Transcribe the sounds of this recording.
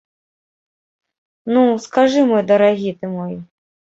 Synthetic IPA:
nuskaʐɨmɔjd̪ɐɾaɣʲit̪ɨmɔji

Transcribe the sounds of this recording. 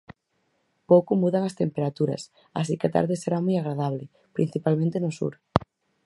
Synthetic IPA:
powkʊmuðaŋast̪empeɾat̪uɾɐ̰s | a̰s̬ikeat̪a̰ɾðɪseɾamojaɣ̞ɾaðaβ̞le | pɾin̟θipalmẽnt̪enosṵɾ

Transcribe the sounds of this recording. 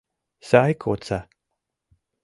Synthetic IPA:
sajkʰot͡sa

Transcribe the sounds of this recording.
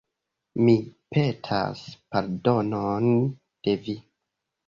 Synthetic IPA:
mipetʰa̰spaɾdo̞non | d̥e̞vi

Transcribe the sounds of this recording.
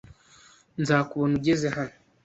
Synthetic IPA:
nzaːkuβonuɟezehano

